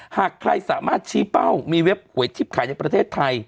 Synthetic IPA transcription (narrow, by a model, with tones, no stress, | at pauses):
haː˨˩kʰɾa̰˧jsaː˩˦maː˥˩t̪̚t͡ɕʰiː˦˥pa˥˩wmiː˧we˦˥p̚hu˨˩˦əjt͡ɕʰi˦˥p̚kʰaː˨˦jt͡ɕa˨˩pɾa˧eː˥˩t̪ʰːa˧j